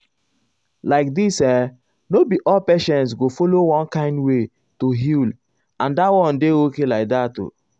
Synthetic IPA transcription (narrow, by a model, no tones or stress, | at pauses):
laɪk̚disɛ | nobiʔɔlpɛʃɛ̃nts̬ɡofolowɔ̃nkãɪ̃ndwe | toɦil | ãndawɔ̃ndeokelaɪk̚dato̰